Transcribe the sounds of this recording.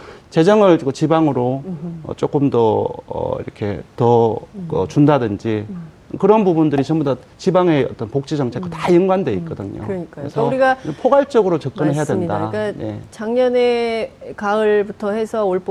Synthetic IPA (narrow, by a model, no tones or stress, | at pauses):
t͡ɕe̞d͡ʑʌŋɯɭot͡ɕibaŋɯɾoʌ̰t͡ɕ͈ok͈ɯmdʌʌ̰ḭɾʌkʰe̞tʌʌ̰t͡ɕundadɯnd͡ʑi | kɯɾʌnpubundɯɾit͡ɕʌmboda | t͡ɕibaŋe̞ʌ̰t͈ʌnpok̚t͡ɕ͈id͡ʑʌŋt͡ɕʰekɯtajɯŋɡwandwe̞it̚k͈ʌdɯɲo̰ɯʌɲik͈aɾesʰʌɾiɡaʌpʰoɡaɭt͡ɕ͈ʌɡɯɾot͡ɕʌk͈̚ɯnɯɭɦejadwendakaje̞̰t͡ɕaŋɲʌnekaɯɭbutʰʌhe̞sʰʌoɭp